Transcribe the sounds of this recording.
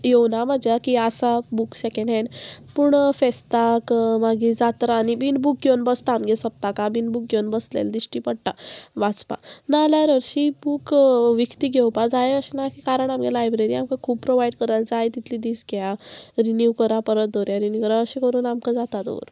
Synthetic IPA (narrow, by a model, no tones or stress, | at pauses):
jewnamad͡ʑakiasabuksekeɳɖɦɛɳɖpuɳfest̪akmaɡid͡zat̪ɾaːnibinbuk̚ɡewnbəst̪aːmɡesəp̚t̪akabiːnbuk̚ɡewnbəslḛld̪iɕʈiːpəɽʈaʋat͡spa̰nalaɾəɾɕibuːkʋikt̪iɡʱewpad͡zajeəɕenakikaɾəɳamɡelajbɾeɾiːamkakʰuːppɾoʋaiɖɽkəɾald͡zajt̪it̪ʰliːd̪iːsɡjaɾinjukəɾapəɾət̪̚d̪oɾjaɾinjukəɾaəɕekəɾuːnamkad͡zat̪at̪o̰ʋə̰ɾ